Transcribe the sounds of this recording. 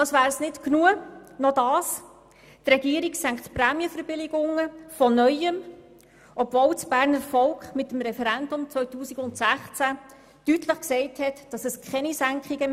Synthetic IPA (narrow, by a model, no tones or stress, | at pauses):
ɑsʋæːɾsnɪtknuənɔdɑːs | trɛɡiəɾiksæŋkχtpɾæːmiəfəɾb̥ɪlɪɡʊŋːəfɔnœʏəm | ʔɔb̥vowt͡sb̥æːɾnəɾfɔlkχmɪtəm̩ɾɛfɛɾændʊmt͡svœʏtuːsiɡʊntsæχt͡sæ | d̥ytləχksɛɪthɛtd̥ɑsəskχɛnisæŋkχiɡə